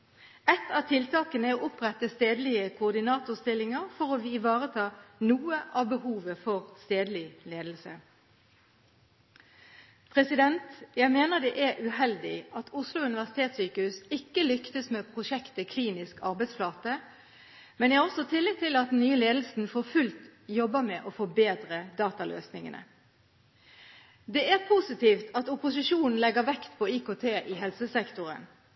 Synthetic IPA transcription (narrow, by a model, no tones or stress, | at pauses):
ɛt̪ʰɑt̪ʰɪlt̪ʰɑːkənəoːʔʊpʁɛt̪ːəst̪eːd̪lɪəkʰʊːʁd̪ɪnɑːt̪ʊʁst̪ɪlɪŋəʁfɔʁoːʋɪʋɑːʁət̪ʰɑːnuːəʔɑbəhuːʋəfɔʁst̪eːd̪lɪleːd̪l̩sə̰ | pʰʁɛsɪd̪ɛnt̪jæɪmeːnəʁd̪ɛʔæʔʉhɛld̪ɪʔɑt̪ʰʊslʊʉnɪʋæʁsɪ̥t̪ʰeːt̪syːkəhʉːsɪkːəlʏkt̪əsmɛːpʰʁʊʂɛkt̪əkʰliːnɪskɑʁbɛɪd̪sflɑːt̪ə | mɛnjæhʁɔsɔt̪ʰɪlːɪɡ̚t̪ʰɪlɑt̪̚d̪n̩nyːəleːd̪l̩sn̩foːʁfʉlt̪jɔbːəmɛʔɔfɔbeːd̪ʁəd̪ɑːt̪ɑlʔø̰ːsnɪŋə̰nə̰ | d̪ɛʔæʁpʰusɪt̪ʰiːft̪ʰɑt̪ʊpʊsɪʃuːnn̩lɛɡəʁʋɛkt̪pʰɔiːkoːt̪ʰeːʔɪɦɛlsəsɛkt̪ʊʁə̰n